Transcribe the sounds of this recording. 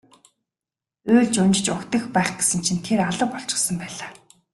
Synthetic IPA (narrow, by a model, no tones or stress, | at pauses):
ɵːɮt͡ɕʊnt͡ɕ̆t͡ɕʊkt̪ə̆xpæːχɡesɘ̆nt͡ɕʰint̪ʰeraɮə̆p̚pɔɬt͡ɕɪ̥̆χsə̆mpæːɮaː